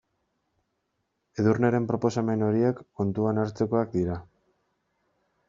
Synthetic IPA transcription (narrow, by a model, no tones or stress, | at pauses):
e̞ðurneɾe̞mpɾo̞po̞same̞no̞ɾiekːo̞nt̪uanaɾt͡se̞ko̞akd̪iɾa